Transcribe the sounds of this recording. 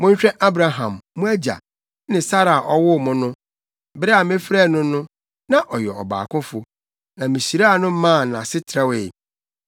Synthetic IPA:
mʊ̃˦ɲ̩˦ɕᶣɛ̃˦ʔa˦bɾa˨ɦã̰˨mːʊ̃˦æ˦d͡ʑa̰˨ | nɪ̃˨sa˦ɾa˨ʔɔ˦wʊ˦˨mʊ̃˦nʊ̃˦ | bɪ˦ɾɛ˦a˨mɪ̃˦fɾɛ˦˨nʊ̃˦nʊ̃˦ | nã˦ʔɔ˨jɛ˨ɔ˨ba̰ː˨kʰʊ̃˦fʊ˨ | nã˨mɪ̃˨ɕi˨ɾa˦a˨nʊ̃˦m̩˦mã˦˨nã˨sɪ˦tʰɾa˦we˨

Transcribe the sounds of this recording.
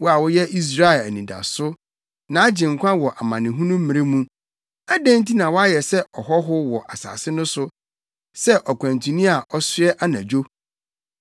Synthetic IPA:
wɔ˦a˨wɔ˦jɛ˦ʔi˦s̬ɾa˦ɛ˨læ˨nĩ˨da̰˨sʊ˦ | nã˨a˦d͡ʑɪ̃˨ŋ̩˨kʷʰã˦wɔ˨ʔa˨mã˨nɪ̃˨ɦũ˦nũ˦m̩˦mĩ˨ɾe˦mũ˦ | a˦dæ̃˦nti˦nã˨wɔ˦a˦jɛ˨sɛ˦ɔ˨ɦɔ˦ɦʊ˦wɔ˨ʔa˨sa̰ː˨sɪ˦nʊ̃˦sʊ˦ | sɛ˦ʔɔ˨kʰʷã˨ntʰũ˨nĩ˦a˨ʔɔ˦sʊ˦ɛ˦ʔa˦nã˨d͡ʑᶣo˦

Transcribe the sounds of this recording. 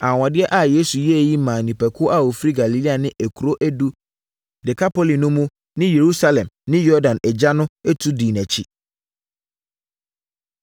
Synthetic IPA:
ã˨wã˨dɪ˦ɛ˦ʔa˨jeː˦su˨jɛ˦˨ji˦mã˨nĩ˨pʰɛ˨kʰʊ˦ʔa˦˨wo˨fɾi˦ɡa˨li˨li˦a˨nɪ̃˦ʔæ˨kʰu˨ɾo˦ʔæ˦du˦ | dɪ˨kʰa˦pʰo˦li˨nʊ̃˦mũ˦ | nɪ̃˦je˨ɾu˦sa˦lɛ̃˨mnɪ̃˦jɔ˦ɾdã˨nɛ˨d͡ʑa˦nʊ̃˦ɛ˦tʰu˦diː˨næ̃˨t͡ɕʰi˦

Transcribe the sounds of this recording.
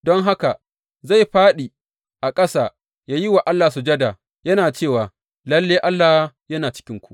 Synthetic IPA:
dɔ˦ŋɦa˦ka˨ | za˦˨jɸaː˦ɗiː˨ | ʔa˨kʼɐ˦saː˨ | jaː˦ji˦wa˨ʔa˦lːaː˨su˨d͡ʒɐ˦daː˨ | jɐ˦naː˨t͡ʃeː˦˨waː˨ | lɐ˦lːeː˦ʔa˦lːa˨˦jɐ˦naː˨t͡ʃɪ̥˦kʲɪ˦ŋkʷu̥˦ʔ

